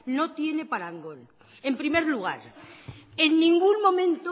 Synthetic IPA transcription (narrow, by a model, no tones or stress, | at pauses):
not̪je̞ne̞paɾaŋɡol | e̞mpɾime̞ɾluɣ̞a̰ɾ | e̞nːĩŋɡuŋmõ̞mẽnt̪o